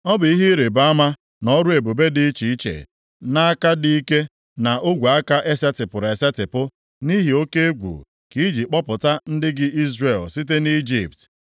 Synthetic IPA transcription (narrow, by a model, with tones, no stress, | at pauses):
ɔ˦bʊ˨i˦ɦi˦ɾe˨ba˦ma˦ | nɔ˦ɾu˦e˨bo˨be˦dɪ˦t͡ʃi˨i˦t͡ʃḛ˨ | na˦a˦ka˦di˦i˦ke˦ | na˨ʔʊ˦ɡʷa˨a˦ka˦ʔe˦sa˦tɪ˨pʊ˨ɾe˨sa˦tɪ˨pʊ˦ | ni˦ɦi˨o˦ke˦ɡʷṵ˨ | ki˦d͡ʒi˨k͡pɔ˦pʊ˨ta˦n̩˦dɪ˦ɡɪ˦i˦zre˨lsi˦t̬e˦ni˦d͡ʒḭ˨pt